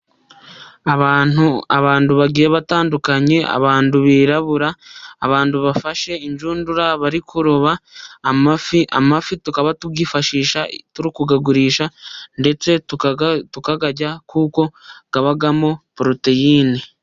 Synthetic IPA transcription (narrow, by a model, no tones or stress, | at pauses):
auaβaːnduβaɡiːjeβataːndukaɲe̞ʔa̰βaːnduβiːɾaβuɾaːβaːnduβafaʃe̞iɲd͡ʒuːnduɾaβaɾikʰuɾoβaːmafia̰mafitukaβatuɡifaʃiːʃatuɾikuɡaɡuɾiːʃande̞t͡se̞ttukaɡaɟakʰuːko̞ɡ̥aβaɡamo̞pɾotejiːni